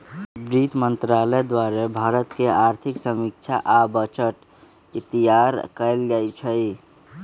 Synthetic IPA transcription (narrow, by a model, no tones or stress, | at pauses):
bɾit̪mənt̪ɾaləd̪waɾebʱaːɾət̪keaɾt̪ʰiksəmik̚t͡ʃʰaʔabət͡ʃəʈ | it̪ijaɾkəɪlɡət͡ʃʰəj